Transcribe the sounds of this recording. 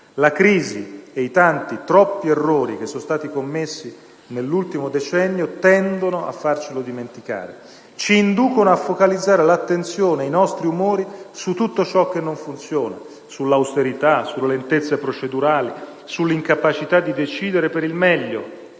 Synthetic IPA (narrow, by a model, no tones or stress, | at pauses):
lakɾiːzieit̪ant̪it̪ɾɔpːierːoːɾik̟esːonst̪aːt̪ikomːesːi | nelːult̪imod̪et͡ʃɛnːjot̪ɛnd̪onoa̰fːart͡ʃilod̪iment̪ika̰ːɾḛ | t͡ʃiːnd̪uːkonoafːokalid̪zːaːɾelat̪ːent̪sjoːneajnɔst̪ɾiumoːɾisut̪ːut̪ːot͡ʃɔkːenːoɱfunt̪sjoːna̰ | sulːawst̪eɾit̪asulːelent̪et̪sːepɾot͡ʃed̪uɾaːli | sulːiŋkapat͡ʃit̪ad̪ːid̪et͡ʃiːd̪eɾepeɾilmɛʎːo